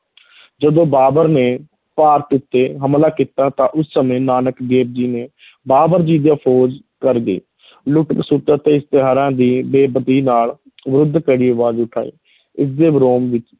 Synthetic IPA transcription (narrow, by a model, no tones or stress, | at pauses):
d͡ʒəd̪õːbaːbəɾneː | paːɾʈʊt̪ːeːɦəmlaːkiːt̪aːt̪ãːʔʊsːəmẽːnaːnəkɡeːp̚d͡ʒiːneː | baːbəɾd͡ʒiːd̪jaːpʰoːd͡ʒ | kəɾɡ̪ḭː | lʊʈəksʊt̪ət̪eːɪst̪ɪɦaːɾãːd̪iːbeːbəd̪iːnaːl | ʋɾʊd̪ʱːkəɽiːəʋaːzʊʈʰa̰ːḭː | ɪsd̪eːbɾoːmʋɪt͡ʃ